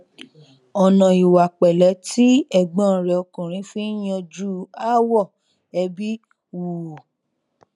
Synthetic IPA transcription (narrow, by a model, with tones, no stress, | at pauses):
ɔ˨nã˨i˨wa˨k͡pɛ˨lɛ˨˦ti˦ɛ˨ɡ͡bɔ̃˨˦˨ɾɛ˨ɔ˧kũ˨ɾ̃ĩ˨˦fĩ˦j̃ɔ̃˧d͡ʒu˦a˦wɔ˦˨ | ɛ˧bi˦ | wu˨